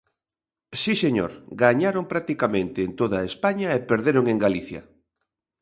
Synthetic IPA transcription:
siseɲo̰ɾɡaɲaɾompɾak̚t̪ikamẽnt̪ɪːnt̪oðaespaɲɐepeɾðeɾoŋeŋɡaliθjɐ̰

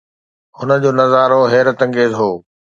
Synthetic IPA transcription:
ɦʊnəd͡ʑoːnɐzaːɾoɦeːɾət̪ɐ̃ŋɡeːzɦoː

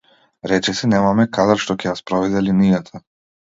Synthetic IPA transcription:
ɾɛt͡ʃɛsɛnɛmamɛkad̪aɾʃt̪ɔcɛjaspɾɔvɛd̪ɛlinijat̪ʰa

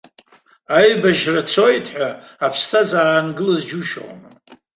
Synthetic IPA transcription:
ajbaʒrat͡sʰo̞jtʰħʷaːpʰstʰazaraːnɡɨlazd͡ʒuʃχnɨ

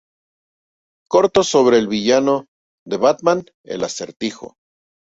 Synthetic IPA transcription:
ko̞ɾt̪o̞so̞β̞ɾe̞ːlβiʝano | ðe̞βat̪mãn | ḛlaseɾt̪ixo̞̰

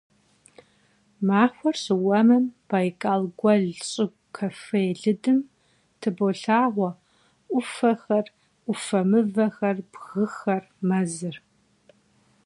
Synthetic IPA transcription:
maːxʷɔrɕɨwɐmɐmb̥ajkʼaːlɡʷɐɮɕʼɪɡʷkʰɐfejɮɨdɨm | tʰɨboɬaːʁʷɔ | ʔʷʊfɐxɐr | ʔʷʊfɐmɨvɐxɐrbɣɨxɐr | mɐzɨr

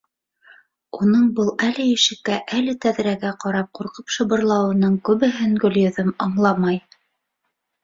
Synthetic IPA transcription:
unɤɴbɤlˠælɘjɘ̆ʃɘ̆kːæʔælɘt̪æðɾæɡæqɑɾɑp̚quɾqɤpʃɤ̆βɤ̆ɾlˠɑwɤ̆nɤɴkʉβɘ̆ɦɘŋɡɵ̆ljɵ̆ðɵmɑɴlˠɑmɑj

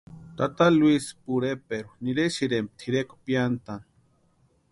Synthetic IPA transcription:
t̪at̪alwispuɾepeɾuniɾeʃiɾemp̚t̪ʰiɾeko̥pjant̪an

